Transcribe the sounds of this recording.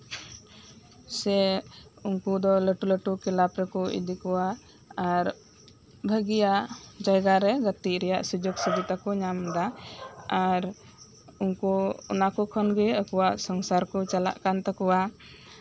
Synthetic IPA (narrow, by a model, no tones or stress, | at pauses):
sɛuŋkud̪ɔləʈuləʈukɛlapɾɛkɔḭd̪ikɔwa | aɾ | bʱəɡijaʔd͡ʒajɡaɾɛɡət̪iʔɾɛjaʔsud͡ʒɔɡsəb̪it̪akɔɲamd̪aaɾ | uŋkuɔnakɔkʰɔnɡɛəkuwaʔsɔŋsaɾkɔt͡ʃala̰ʔkant̪akɔwa